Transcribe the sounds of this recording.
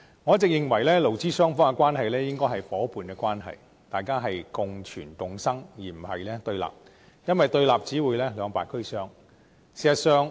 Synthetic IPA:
ŋɔː˨˧˥t͡sɪ˨k̚jɪ˨ŋwɐ˨˩jlɛː˥lo˨˩wt͡siː˥sœː˥ŋfɔː˥ŋɛ˧kwaː˥nɦɐ˨jlɛː˥jɪ˥ŋkɔː˥jɦɐ˨jfɔː˨˥puː˨˧nkɛː˧kwaː˥nɦɐ̰˨j | t̪aː˨jkaː˥ɦɐ˨jkʊ˨˧ŋt͡ʃʰy̰ː˨˩nt̪ʊ˨ŋsɐ˥ŋjiː˨˩m̩˨˩hɐ̰˨jlɛː˥t̪ɵ˧ɥla̰ː˨˩p̚ | jɐ˥nwɐ˨jt̪ɵ˧ɥlaː˨p̚t͡siː˨˥wuː˨˧jlɛː˥lœː˨˧ŋpaː˨˩kʰɵ˥sœː˥ŋ | siː˨˩sɐ˨t̚sœː˨˧ŋ

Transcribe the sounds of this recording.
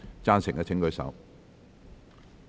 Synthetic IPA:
t͡saː˥nsɪ˨˩ŋkɛː˧t͡sʰɪ˨˥ŋkɵ˨˧ɥsɐ̰˨˥w

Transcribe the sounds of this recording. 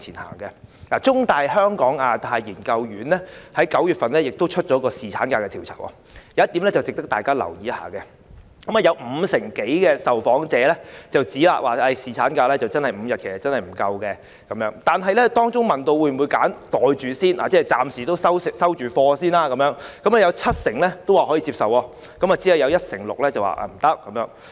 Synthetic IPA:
t͡sʰiː˨˩nha̰ː˨˩ŋkɛ˧laː˨˩t͡sʊ˥ŋt̪aː˨˧jɦœː˥ŋkɔː˨˥ŋaː˨˧t̪ʰaː˧jjiː˨˩nkɐ˧wjyː˨˥nlɛ˥hɐ˨˥jkɐ˨˥wjyː˨t̚fɐ˨nlɛː˥jɪ˨k̚t̪o˥wt͡ʃʰɵ˥t̚t͡ʃɔː˨˧˥kɔː˧siː˨t͡sʰa̰ː˨˥nkaː˧kɛː˧i˨˩wt͡sʰa̰ː˨˩kʔɔ̰ː˧˩ | jɐ˨˦jɐ˥t̪i˨˥mlɛː˥t͡sɐ˨˩wt͡sɪ˨k̚t̪ɐ˥k̚t̪aː˨˩jkaː˥lɐ̰˨˩wjiː˨jɐ˥ha̰ː˨˥kɛ˧ | kɐ˨˥maː˨˩jɐ˧wm̩ː˨˧sɪ˨˩ŋke˨˥jkɛː˧sɐ˨wfɔː˨˥ŋt͡sɛː˨˧lɛ˥t͡sɐ˨wt͡siː˨˥la̰ː˨˧waː˨˩ɐ˧˩jsiː˨˩t͡sʰaː˨˥nkaː˧lɛː˥t͡sɐ˨˩wt͡sɐ˥nhɐ˨˩jm̩˨˧jɐ˨t̚kʰe˨˩sɐ˨˩t͡sɐ˥nhɐ˨jm̩˨˩kɐ˧wkɛ˧ | kɐ˨˦mjœː˨˧˥ŋt̪aː˨nɦɐ˨jlɛ˥t̪ɔː˥ŋt͡sʊ˥ŋmɐ˨˩nt̪o˧wuː˨˧jm˨u˨˧jkaː˨˥nt̪ɔː˨jt͡ʃyː˨siː˥nla̰ː˨t͡sɛː˥t͡saː˨msiː˨˩t̪o˥wsɐ˥wsɪ˨ksɐ˥wt͡ʃyː˨fɔː˧siː˥naː˧kɐ˧˥mjœː˨˧˥ŋkɐ˨˥mlɛ˥jɐ˨˧wt͡sʰɐ˥t̚sɪ˨˩ŋlɛ˥t̪o˥waː˨˩ɦɔ˨˥ji˨˧t͡siː˧p̚sɐ˨wɔː˧ | kɐ˨˥maː˨t͡siː˨˥jɐ˨˧wjɐ˨˧wjɐ˥t̚sɪ̰˨˩ŋlʊ̰˨k̚lɛ˥t͡sɐ˨wa̰ː˨˩ʔa̰˨˧m̩˨˩t̪ɐ˥k̚ːɐ˨˦mjœː˨˧˥ŋ

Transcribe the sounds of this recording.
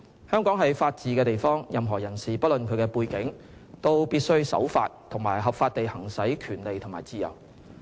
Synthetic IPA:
hœː˥ŋkɔː˨˥ŋɦɐ˨jfaː˧t̚t͡siː˨˧kɛː˧t̪e˨jfɔː˥ŋjɐ˨mɦɔː˨˩jɐ˨˩nsiː˨pɐ˥t̚lɵ˨nkʰɵ˨˧kɛː˧puː˧jkɪ˨˥ŋ | t̪o˥wpiː˥t̚sɵ˥ɥsɐ̰˨˥wfa̰ː˧t̚t̪ʰʊ˨˩ŋmaː˨˩jɦɐ˨p̚faː˧t̚t̪e˨jhɐ˨˩ŋsɐ˨˥jkʰyː˨˩nle˨jt̪ʰʊ˨˩ŋmaː˨˩jt͡siː˧jɐ̰˨˩w

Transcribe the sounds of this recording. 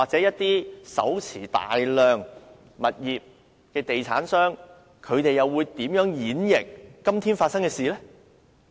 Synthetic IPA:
waː˨k̚t͡sɛː˨˥jɐ˥t̚t̪iː˥sɐ̰˨˥wt͡sʰiː˨˩t̪a̰ː˨jlœː˨ŋ | mɐ˨t̚jiː˨p̚ | kɛː˧t̪e˨jt͡sʰa̰ː˨˥nsœː˥ŋ | kʰɵ˨˧ɥt̪e˨jɐ˨wuː˨˧jt̪iː˨˥mjœː˨˥ŋjiː˨˥njɪ˨k̚ːɐ˥mt̪ʰiː˥nfaː˧t̚sɐ˥ŋkɛː˧siː˨lɛː˥

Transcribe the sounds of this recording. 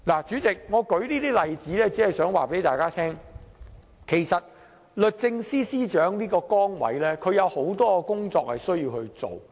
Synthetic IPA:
laː˨˩t͡syː˨˥t͡sɪ˨k̚ŋɔː˨˧kɵ˨˥ɥliː˥t̪iː˥lɐ˨jt͡siː˨˥lɛː˥t͡si˨˥ɐ˨jsœː˨˥ŋwa̰ː˨pe˨˥jt̪aː˨jkaː˥t̪ʰɛː˥ŋ | kʰe˨˩jsɐ˨t̚ | lɵ˨t̚t͡sɪ˧ŋsiː˥siː˥t͡ʃœː˨˥ŋniː˥kɔː˧kɔː˥ŋwɐ̰˨˥jlɛː˥kʰɵ˨˧ɥjɐ˨˧who˨˥wt̪ɔː˥kɔ˧kʊ˥ŋt͡sɔː˧k̚hɐ˨jsɵ˥ɥjiː˧whɵ˧ɥt͡so̰˨˩w

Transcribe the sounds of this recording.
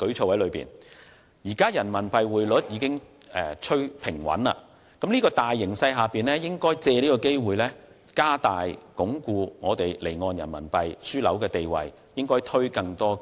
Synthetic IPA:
kɵ˨˥ɥt͡sʰo˧whɐ˨˥lɵ˨˧ɥpḭː˨˩n | jiː˨˩kaː˥jɐ˨˩nmɐ˨˩npɐ˧jwuː˨jlɵ˨˥t̚jiː˨˧kɪ˥ŋ | ʔɛː˨t͡ʃʰɵ˥ɥpʰɪ˨˩ŋwɐ̰˨˥na̰ː˧ | kɐ˨˥mnliː˥kɔː˧t̪aː˨jːɪ˨˩ŋsɐ˧jɦaː˨piː˨nlɛː˥jɪ˥ŋkɔː˥jt͡sɛː˧liː˥kɔː˧ke˥jwuː˨˩jlɛː˥ | kaː˥t̪aː˨jkʊ˨˥ŋkuː˧ŋɔː˨˧t̪e˨jle˨˩jŋɔː˧njɐ̰˨˩nmɐ˨˩npɐ˧jsyː˥lɐ̰˨˥wkɛː˧t̪e˨jwɐ̰˨j | jɪ˥ŋkɔː˥jt̪ʰɵ˥ɥkɐ˧ŋt̪ɔː˥

